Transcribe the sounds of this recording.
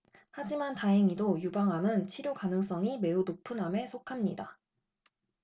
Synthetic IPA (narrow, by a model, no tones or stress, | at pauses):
had͡ʑimantaɦeŋidojubaŋɦamɯnt͡ɕʰiɾjokanɯŋs͈ʌŋime̞unopʰɯnɦame̞sʰokʰamɲida